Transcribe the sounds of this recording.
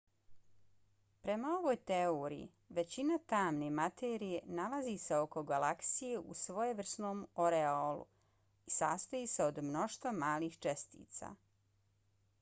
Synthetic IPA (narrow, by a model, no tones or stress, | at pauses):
pɾe̞mao̞ʋoːjt̪eoɾḭḭ | ʋe̞t͡ɕinat̪aːmne̞mat̪eːɾije̞nalazise̞o̞ko̞ɡalaksije̞ʔṵsʋo̞jeʋr̩sno̞ːmoɾeolṵ | isaːst̪ojiseo̞d̪mno̞ʃt̪ʋamaːliːxt͡ʃest̪ḭːt̪sa̰ː